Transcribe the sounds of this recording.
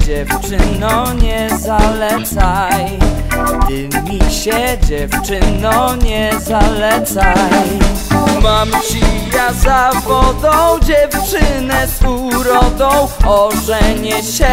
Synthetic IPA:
d͡ʑɛft͡ʂɘnɔɲɛzalɛt̪saj | t̪ɘmʲiɕɛd͡ʑɛft͡ʂɘnɔ̃ɲɛzalɛt̪saj | mamɕijazavɔd̪ɔ̃w̃w̃d͡ʑɛft͡ʂɘnɛsuɾɔd̪ɔ̃w̃ɔʐɛɲɛɕɛ

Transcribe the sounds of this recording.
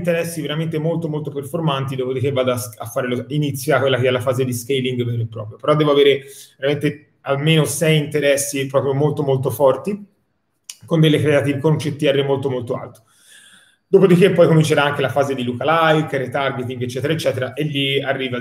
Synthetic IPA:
nt̪eɾɛsːiveɾament̪emolt̪omolt̪operformant̪id̪oːpod̪ik̟evːaːd̪oasa̰fːaːɾeloinit̪sːjakwelːakeɛlːafaːzed̪iskejliŋɡveɾoepːɾɔːpɾjopeɾɔd̪ɛːvoaveːɾeveɾament̪e | almeːnosɛjint̪eɾɛsːipɾɔːpɾjomolt̪omolt̪ofɔrt̪i | kond̪elːekɾeat̪ivkont͡ʃet̪ːiɛrːemolt̪omolt̪oa̰lt̪o̥ | d̪̥oːpod̪ikepːɔjkomint͡ʃeɾaaŋkelafaːzed̪ilukalajkret̪arɡet̪iŋɡet͡ʃːɛːt̪eɾaet͡ʃːɛːt̪eɾaʔelːiarːiːva

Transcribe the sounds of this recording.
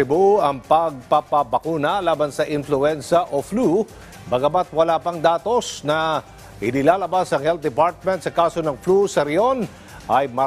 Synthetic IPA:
ɪboɐŋpɐɡ̚pɐpɐbɐkuːnɐlaːbɐnsɐʔɪnflʊɛnsɐʔoflu | bɐɡɐmat̪̚wɐlaːpɐŋd̪aːt̪o̞snɐ | hɪnɪlaːlɐbasɐŋhɛlt̪̚d̪ɪpaɾt̪̚mɛnt̪sɐkaːso̞nɐŋflusɐɾɪo̞n | ʔɐjmɐ

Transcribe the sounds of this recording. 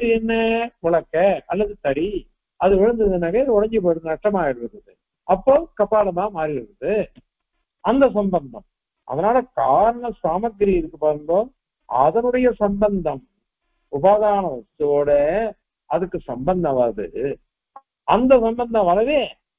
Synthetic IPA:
ɯɛnːɐkʊɭɐkːɐɐlːɐðɯt̪ɐɽi | ɐðɯʋɪɻɯnd̪ɐðɯnaːkɐɪðɯɔɽɐɲd͡ʒɯp̬oːɾɐðɯnɐʈːɐmaːjɪɾɯʋɯɾɐðɯ | ɐpːoːkɐpːaːɽɐt̪ãːmaːɾiɾɯɾɐðɯ | ɐnd̪ɐs̬ɐmbɐnd̪ɐm | ʔɐ̰ðɐnaːlɐkaːɾɐɳɐsaːmɐɡɐɾiɪɾɯkːɯpːɐɾɯnd̪oːm | ɐ̰ðɐnɯɽɐjɐsɐmbɐnd̪ɐm | ʊbaːðaːnɐʋɐst̪ːɯoːɽɐ | ɐðɯkːɯsɐmbɐnd̪ɐ̃ʋɐɾɐðɯ̰ | ɐnd̪ɐs̬ɐmbɐnd̪ɐ̃ʋɐɾɐʋeː

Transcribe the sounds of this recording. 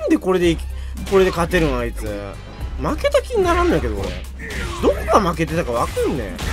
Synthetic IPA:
ãnd̪e̞ko̞ɾe̞d̪e̞ikko̞ɾe̞d̪e̞kat̪ːe̞ɾɯ̟nait͡sɨ | make̞t̪akʲiɲ̟inaɾãnake̞d̪oo̰ɾḛ | d̪okkamak̬e̞t̪e̞t̪akaβakãnːḛ̃

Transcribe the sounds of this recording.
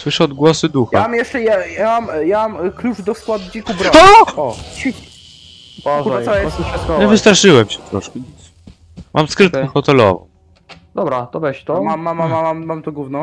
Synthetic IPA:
swɘʂɛɔd̪̚ɡwɔsɨd̪uxaamjɛʂt͡ʂɛjajamamjamamklut͡ʂd̪ɔskwad̪d͡ʑikubɾɔt̪ɔɔɕfʲit̪ʲ | bɔʐuɔjɛsɕfʲat̪kɔɲɛvɨst̪ɾaʂɘwɛmɕɛt̪ɾɔʂkɛ | mʔamskɾɪt̪̚kɛxɔt̪ɛlɔ̰vɔ̰̃w | d̪̥ɔbɾat̪ɔbɛɕt̪ɔmamːamamamamːamt̪uɡwuvnɔ̃w̃

